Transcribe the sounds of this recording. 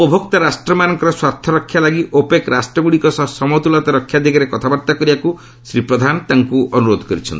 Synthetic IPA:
ɔpɔbʱɔkt̪aɾasʈɾɔmanɔŋkɔɾɔswaɾt̪ʰːɔɾɔkʰːjalaɡiʔopekɾasʈɾɔɡuɽikɔsɔsɔmɔt̪ulat̪ɔɾɔkʰjad̪ʱikaɾekɔt̪ʰabaɾt̪akɔɾibaku | sɾipɾɔd̪ʱanɔt̪aŋkuɔnuɾod̪ʱɔkɔɾit͡ʃʰɔ̰nt̪i

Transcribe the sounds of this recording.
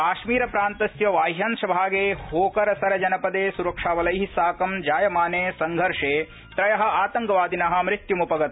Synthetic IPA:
kaːʃmiːɾɐpɾaːnt̪ɐsjɐʋaːjɦɐnʂɐbʱaːɡeːhoːkɐɾɐsɐɾɐd͡ʒɐnɐpɐd̪eːsuɾɐkʂaːʋɐlɐjɦisaːkɐmd͡ʒaːjɐmaːneːsɐŋɡʱɐɾʂeː | t̪ɾɐjɐɦɐ̆aːt̪ɐŋɡɐʋaːd̪inɐɦɐ̆mɾit̪jumupɐɡɐt̪̚

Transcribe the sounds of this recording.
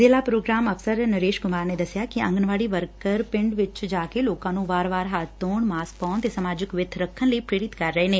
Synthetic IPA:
zeːlaːpɾoːɡɾaːməfʰsəɾnəɾeːʃkʊmaːɾneːd̪əsjaːkɪə̰̃ŋɡənʋaːɽiːʋəɾkəɾpɪ̃ɳɖʋɪt͡ʃd͡ʒaːkeloːkãːnũːʋaːɾʋaːɾɦat̪ːoːɳmaːspaːnt̪eːsəmaːd͡ʒɪkʋɪd̪ʱʰɾəkʰːənləiːpɾeːɾɪt̪kəɾːəeːneː

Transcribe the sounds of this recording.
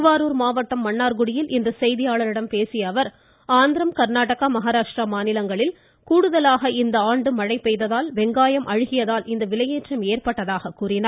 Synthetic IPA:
ʋaːɾuːɾmaːʋɐʈːɐmːɐɳːaːɾɡɯɽɪjɪlʔɪnd̪ɐsɛjðɪjaːɭɐɾɪɽɐmpeːsɪjɐʋɐɾ | aːnd̪ɪɾɐmkɐɾnaːʈɐɣɐmɐɦaːɾaːʂʈɾɐmaːnɪlɐŋɡɐɭɪl | kuːɽɯðɐlaːɣɐɪnd̪ɐaːɳɖɯmɐɻɐɪpːɛjðɐðaːlʋɛŋɡaːjɐmʔɐɻɯɣɪjɐðaːlɪnd̪ɐʋɪlɐjeːʈrɐmeːɾpɐʈːɐðaːɣɐkːuːɾɪnaːɾ

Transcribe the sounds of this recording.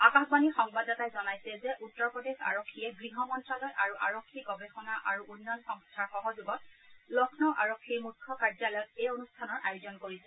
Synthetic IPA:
akaxbanixɔŋbadatajzɔnajsɛzɛʔutːɔɹpɹɔdexa̰ɹokʰːijɛbɹiɦɔmɔntɹalɔjʔaɹuʔaɹokʰːiɡɔbexɔnaʔaɹuʔunːɔnxɔŋstʰaɹxɔɦɔzuɡɔt̚lɔkʰnɔʔa̰ɹɔkʰːimukʰːɔkaɹzalɔjɔkejonustʰanɔɹʔajozɔnkoɹisɛ

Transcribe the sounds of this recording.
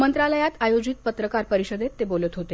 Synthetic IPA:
mənt̪ɾaləjat̪ajod͡ʑit̪̚pət̪ɾəkaɾpəɾiɕəd̪et̪ːebolət̪ɦot̪e

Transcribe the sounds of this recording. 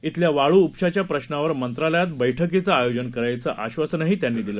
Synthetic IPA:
it̪ljaʋaɭuːpɕat͡ɕjapɾəɕnaʋəɾmənt̪ɾaləjat̪bəjʈʰəkit͡səajod͡ʑənkəɾajt͡səʔaɕʋasnaɦiːt̪janːiːd̪ilə

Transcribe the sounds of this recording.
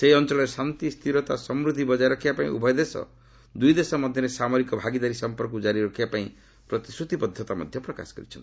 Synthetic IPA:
seiɔnt͡ʃɔlɔɾesant̪ist̪ʰiɾɔt̪asɔmɾud̪ʱibɔd͡ʒajɾɔkʰibapaḭ̃ʔṵbʱɔjd̪esɔ̰ | d̪ujd̪esɔmɔd̪ʱjɔɾesamɔɾikɔbʱaɡid̪aɾisɔmpɔɾkud͡ʒaɾiɾɔkʰibapaĩ | pɾɔt̪i̥sɾut̪ipɔd̪ʱjɔt̪amɔ̰d̪ʱjɔpɾɔka̰sɔ̥kɔ̰ɾit͡ʃʰɔnt̪i

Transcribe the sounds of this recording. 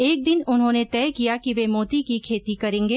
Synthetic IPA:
eːk̚d̪ɪnʊnɦõːnet̪ɛːkijakiʋeːmoːt̪ikikʰeːt̪ikɐɾẽːŋɡeː

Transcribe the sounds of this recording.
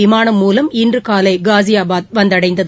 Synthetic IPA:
ɪmaːnɐmːuːlɐmɪndrɯkaːlɐɪɡaːzɪjaːbaːt̪̚ʋɐnd̪ɐɽɐɪnd̪ɐð

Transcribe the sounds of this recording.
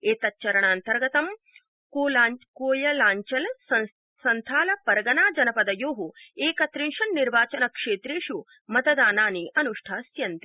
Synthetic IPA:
eːt̪ɐtːt͡ʃɐɾɐɳaːnt̪ɐɾɡɐt̪ɐm | koːakoːjɐlaːɲt͡ʃɐlsɐ | sɐnt̪ʰaːlɐpɐɾɐɡɐnaːd͡ʒɐnɐpɐd̪ɐjoːɦueːkɐt̪ɾiŋʂɐnːiɾʋaːt͡ʃɐnɐkʂeːt̪ɾeːʃu | mɐt̪ɐd̪aːnaːniʔɐnuʂʈʰaːsjɐnt̪i

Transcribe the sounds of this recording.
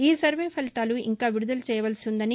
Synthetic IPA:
iːsɐɾʋeːpʰɐlit̪aːluʔḭŋkaːʋiɾud̪ɐlut͡ʃɛːjɐʋɐlsund̪ɐni

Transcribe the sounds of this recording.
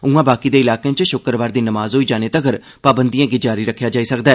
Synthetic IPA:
ũːãːbaːkiːd̪eːɪlaːkeãt͡ʃʃʊkəɾʋaːɾd̪iːnəmaːzɦoːiːd͡ʒaːneːt̪əɡəɾ | paːbənd̪ijãːɡiːd͡ʒaːɾiɾəkʰːjaːd͡ʒaːiːsəkd̪aːɛː

